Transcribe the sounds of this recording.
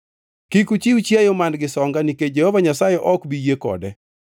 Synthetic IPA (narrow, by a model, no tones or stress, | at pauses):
kikut͡ʃiut͡ʃjajomandɡɪsɔŋɡaniked͡ʒɛhɔvaɲasajɛʔɔkbijekɔ̰dɛ